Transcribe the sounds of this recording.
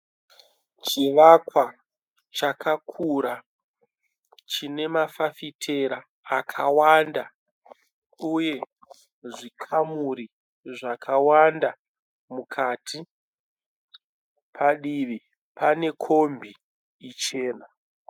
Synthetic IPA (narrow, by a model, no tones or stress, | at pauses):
t͡ʃiʋakwa | t͡ʃakʰakʰuɾa | t͡ʃine̞mafafitʰeɾaː | kʰawanda | uje̞ | ʐikʰamuɾi | ʐakʰawanda | mukʰatʰi | pʰaɗiʋi | pane̞kʰo̞mbʱiː | t͡ʃe̞ːna